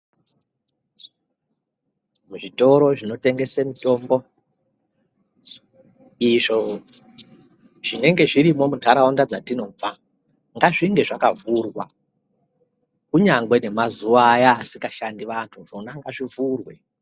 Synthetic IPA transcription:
muʐito̞ɾo̞ʐino̞te̞ŋɡe̞semito̞ːmbo | iʐo̞ | ʐ̥ine̞ŋɡe̞ʐiɾimo̞mudʱaɾaondad͡zatino̞b͡va | ŋɡaʐiŋɡe̞ʐakavurwa̰ | kuɲaŋɡwe̞ne̞mazuʋaːjaːsikaʃandiʋantʰuʐonaŋɡaʐivuːrwe̞

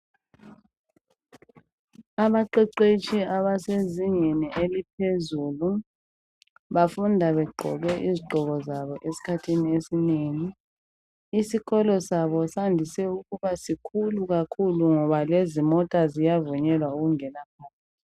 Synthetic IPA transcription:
aβaǃɛǀet͡ʃʰʼiaβaseziɲeniʔelipʰezuːlu | βafundʱaβɛɡ͡ǃʱɔ̰ɣɛʔiziɡ͡ǃʱɔɣɔzaβɔʔesi̥kʰatʰiniesineːŋiː | siɣɔlɔsaβɔsandʱisɛuɣuβasikʰuluɣakʰuluŋɔβalezimɔtʼazijavuɲɛlwauɣuŋɛnakʰɔːna

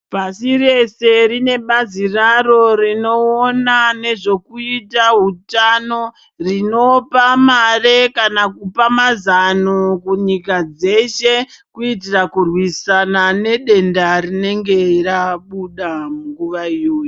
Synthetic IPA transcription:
pasire̞se̞rine̞ɓaziraro̞rino̞onane̞ʐo̞kuitaɦutano̞ | rino̞pamare̞kanakupamazanokuɲikad͡ze̞ʃe̞kuitirakurwisanane̞ɗe̞ndarine̞ŋɡe̞raɓuɗamuŋɡuʋaijoːju

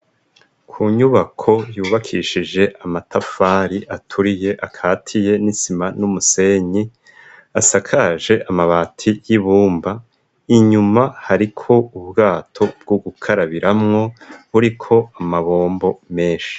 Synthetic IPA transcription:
kʰuːɲuβakʰo̞juːβakʰiʃid͡ʒe̞ʔamatafaːɾiʔatʰuɾije̞ʔakʰaːtʰije̞nisimanumuse̞ɲi | asakʰaːʒe̞ʔamaβaːtʰijiβuːmba | iɲumahaɾikʰo̞uβɡaːtʰo̞b̚ɡ̥uɡukʰaɾaβiɾamŋo̞βuɾikʰo̞amaβo̞ːmbo̞me̞ːʃi̥

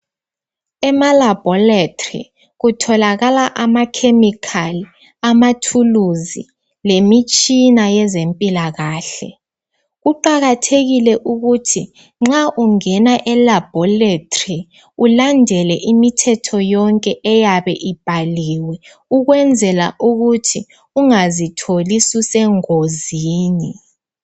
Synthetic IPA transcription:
ɛmalab̥ʱɔlatʼrḭ | ɣutʰɔlaɣalaʔamakʰemikʰali | amatʰuluzi | lemit͡ʃʼinajɛzempʼilaɣaːɬɛ̰ | ɣuǃaɣatʰeɣilɛʔuɣutʰi | ŋ͡ǁaʔuŋɛnaʔɛlab̥ʱɔletʼri | ulandʱɛlɛʔimitʰɛtʰɔjɔŋkʼɛʔɛjaβɛʔib̥ʱaliwɛ | uɣwɛnd͡zʱɛla̰ʔuɣutʰi | uŋazitʰolisusɛŋoziːni

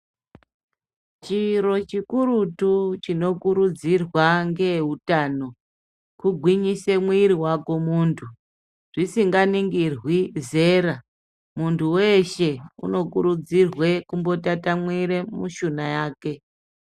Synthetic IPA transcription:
t͡ʃiɾo̞t͡ʃikuɾutut͡ʃino̞kuɾud͡zirwaŋɡe̞ɦutaːno̞ | kuɡʱwiɲise̞mwiɾiwako̞muːntʰu | ʐ̥isiŋɡaniŋɡirwize̞ːra | muntʰuwe̞ʃe̞ṵno̞kuɾud͡zirwekumbo̞tatamwiɾemuʃunajaːke̞

